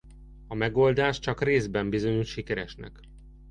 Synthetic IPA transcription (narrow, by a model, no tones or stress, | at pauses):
ɒmɛɡo̞ld̪aːʃt͡ʃɒkreːzbɛmbizo̞ɲuʃʃikɛɾɛʃnɛ̰k